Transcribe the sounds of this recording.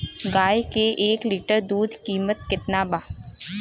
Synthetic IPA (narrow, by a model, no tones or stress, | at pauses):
ɡaːjkeʔeːkliːʈəɾd̪uːd̪ʱkiːmət̪̚kɪt̪nabaː